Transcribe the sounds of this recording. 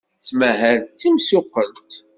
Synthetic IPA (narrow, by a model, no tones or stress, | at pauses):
t͡sːməɦəɾt͡sːimsʊqːəlt̪